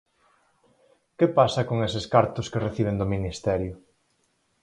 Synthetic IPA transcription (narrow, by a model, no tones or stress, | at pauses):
kepasɐkoŋesɪskaɾt̪ʊskereθiβ̞end̪ʊminist̪ɛɾjʊ